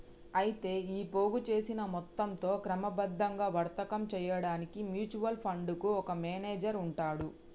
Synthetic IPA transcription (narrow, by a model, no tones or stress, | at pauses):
ɐjit̪e̞ːiːpoːɡut͡ʃe̞ːsinɐmɔt̪ːɐmt̪o̞ːkɾɐmɐbɐd̪ːɐŋɡaːʋɐɾt̪ɐkɐmt͡ʃɛjɐɽaːnikimjuːt͡ʃuʋɐlpʰɐɳɖukuɔkɐmɛːneːd͡ʒɐɾuɳʈaːɽu